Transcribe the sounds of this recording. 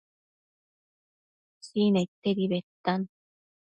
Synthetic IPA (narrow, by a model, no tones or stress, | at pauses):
siːneit̪ːeɾiβet̪ːan